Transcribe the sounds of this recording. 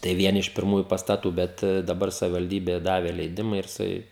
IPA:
tɐɪ ˈʋʲiɛnʲɪ ɪʃ pʲɪrˈmuːjʊ pɐstɐˈtuː ˈbʲɛt dɐˈbɐr sɐʋʲɪʋɐlʲˈdʲiːbʲeː ˈdɑːʋʲeː lʲɛɪˈdʲɪmɐ ɪr jɪˈsɐɪ

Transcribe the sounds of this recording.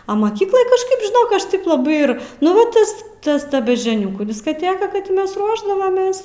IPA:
oː mɐˈkʲiːklˠɐj kɐʃˈkɐɪp ʒʲɪˈnoːk ˈɐʃ ˈtɐɪp lˠɐˈbɐɪ ɪr nʊ ˈʋɐ ˈtɐs ˈtɐs ˈtɐ bʲɛʒʲd͡ʒʲoːˈnʲʊkuː dʲɪskɐˈtʲeːkɐ ˈkɐt tʲɪ ˈmʲɛs ˈruɔʒdɐʋɐmʲeːs

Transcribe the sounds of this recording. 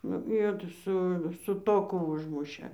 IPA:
nʊ ˈjoː tɐ ˈsʊ sʊ ˈtoːkʊ ˈʊʒmʊʃʲeː

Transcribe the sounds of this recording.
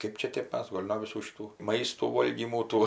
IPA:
ˈkɜp t͡ʃʲɛ ˈtʲeːp ˈmʲɛs ˈɡoːlʲ noː ʋʲɪˈsuː ʃʲɪˈtuː ˈmɐɪstuː ˈʋoːlʲɡʲiːmuː ˈtuː

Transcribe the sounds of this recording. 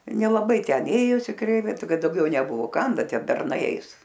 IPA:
nʲɛlˠɐˈbɐɪ tʲɛn ˈeːjoːsʲɪ ˈkrʲɛɪʋʲɪ ˈkɐt dɐʊˈɡʲɛʊ nʲɛˈbʊʋoː ˈkɐm ˈbʲɛ ˈtʲiɛ bʲɛrˈnɐɪ ˈɛɪs

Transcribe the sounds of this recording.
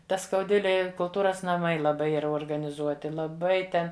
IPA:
ˈtɐ skɐʊˈdʲʋʲɪlʲeːj ɪ kʊlˠˈtuːrɐs nɐˈmɐɪ lˠɐˈbɐɪ ˈiːrɐ oːrɡɐnʲɪˈzuɔtʲɪ lˠɐˈbɐɪ ˈtʲɛn

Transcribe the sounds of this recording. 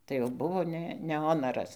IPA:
tɐɪ jɛʊ ˈbʊʋoː ˈnʲɛ nʲɛ ˈoːnɐrɐs

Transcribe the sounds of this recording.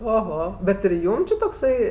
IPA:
oːˈɣoː bʲɛt ɪr ˈjuːm t͡ʃʲɪ toːkˈsɐɪ

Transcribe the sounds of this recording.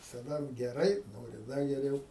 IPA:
ʋʲɪsɐˈdɐ ɡʲɛˈrɐɪ ˈnoːrʲɪ ˈdɐ ɡʲɛˈrʲɛʊ

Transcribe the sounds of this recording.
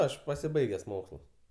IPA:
ˈɐʃ pɐsʲɪˈbɐɪɡʲɛs ˈmoːkslˠʊs

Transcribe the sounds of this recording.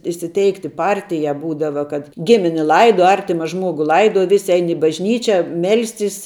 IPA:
iːsʲɪˈtʲɛɪktʲɪ ˈpɐrʲtʲɪjæː ˈbuːdɐʋɐ kɐt ˈɡʲɪmʲɪnʲɪ ˈlˠɐɪduɔ ˈɐrʲtʲɪmɐ ˈʒmuɔɡʊ ˈlˠɐɪduɔ ˈʋʲɪsʲɪ ˈɛɪn ɪ bɐʒʲˈnʲiːt͡ʃʲɛ ˈmʲɛlʲsʲtʲɪs

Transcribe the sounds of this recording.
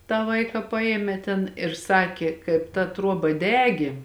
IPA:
tɑː ˈʋɐɪkɑː ˈpɑːjeːmʲeː tʲɛn ɪr ˈsɑːkʲeː ˈkɐɪp tɐ ˈtruɔbɐ ˈdʲæːɡʲeː

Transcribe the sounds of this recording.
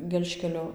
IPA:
ˈɡʲɛlʲʃʲkʲɛlʲoː

